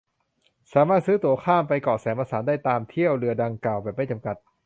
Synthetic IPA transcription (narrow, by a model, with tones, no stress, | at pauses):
saː˩˦maː˥˩t̪̚sɯː˦˥t̪u˧˩ɐkʰaː˥˩mpa˧jkɔː˨˩sɛː˩˦mʔaː˧saː˩˦ndaː˥˩jt̪aː˧mt̪ʰi˥˩əwɾɯ˧ɐda˧ŋklaː˨˩wbɛː˨˩ma˥˩jt͡ɕa˧mka˨˩t̪̚